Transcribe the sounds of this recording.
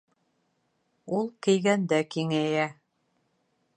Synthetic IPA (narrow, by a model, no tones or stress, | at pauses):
ulˠkɘ̆jɡænd̪ækiŋæjæ